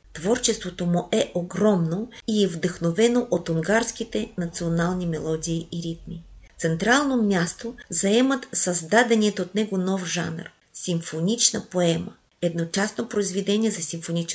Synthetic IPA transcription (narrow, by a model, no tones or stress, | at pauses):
t̪vɔɾt͡ʃɛst̪vot̪omuʔɛʔoɡɾɔmnoiɛvd̪əxnovɛnoʔot̪ʊŋɡaɾsk̟it̪ɛnɐt̪sionalˠnimɛlˠɔd̪iːiɾit̪̚mift̪sɛnt̪ɾalˠnomʲjast̪ozɐɛmət̪sɐzd̪ad̪ɛniɛt̪oːt̪nɛɡonɔfʒa̰nr | simfonʲit͡ʃnəpoɛmə̰ | ɛd̪not͡ʃasnopɾoizvɛd̪ɛniɛzɐsimfonit͡ʃ